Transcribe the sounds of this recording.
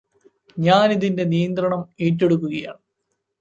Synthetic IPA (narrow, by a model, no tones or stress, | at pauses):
ɲaːniðinde̞nijɐnd̪rɐɳɐmeːt̬ːeɽuk̬ːuɣɐjaːɳ